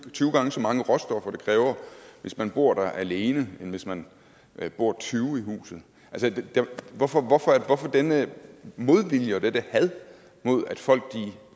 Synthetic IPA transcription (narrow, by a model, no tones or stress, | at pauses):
t͡sʰyːɡ̥ɑ̈ŋəsɒ̽mɑ̈ŋəʁɒ̽sd̥ɒ̽fɐd̥ekʰʁɛːʊɐʋe̝smænb̥o̝ɐ̰ɾ̥æʔæle̝ːnəenʋe̝smæn | b̥o̝ɐ̰t͡sʰyːʊiɦṵːsð̩ˠ | ʔælsəd̥d̥æʋɒfɒʋɒfɒæɐʋɒfɒ̽d̥enəmo̝ð̞ˠʋil̰jəɒd̥ed̥əhæðˠ | mo̝ð̞̰ˠæd̥fɒ̽l̰ɡ̥̚d̥i